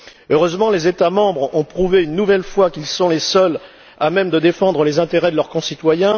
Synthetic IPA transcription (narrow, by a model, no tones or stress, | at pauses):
øʁøzmɑ̃lezet̪amɑ̃bʁɔ̃pχuveynːuvɛlfwakilsɔ̃lesœl | amɛmd̪əd̪efɑ̃d̪ʁəlezɛ̃t̪eʁɛd̪əlœʁkɔ̃sit̪wajɛ̃